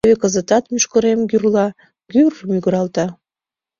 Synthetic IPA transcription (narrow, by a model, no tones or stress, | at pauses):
βekəzət̪ɑt̪myʃkəɾemɡyrlɑ | ɡyrmyɣəɾɑlt̪ɑ